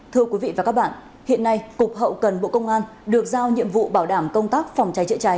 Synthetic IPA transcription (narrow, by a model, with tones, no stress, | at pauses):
t̪ʰɨ˧əkwi˨˦vḭ˧˨vaː˨˩kaː˦˥k̚ɓa̰ː˧˨n | hḭ˧˨ənːa˧jkʊ˨˩k͡p̚ɦə̰˧˨wkə˨˩nɓo̰˧˨kə˧wŋ͡mʔaː˧n | ɗɨ˨˩ək̚zaː˧wɲḭ˧˨əmvṵ˧˨ɓaː˧˩wɗaː˧˩mkə˧wŋ͡mt̪aː˦˥k̚fɔ˨˩wŋ͡mt͡ɕa˨˦jt͡ɕɨ̰˧˨t͡ɕa˨˦j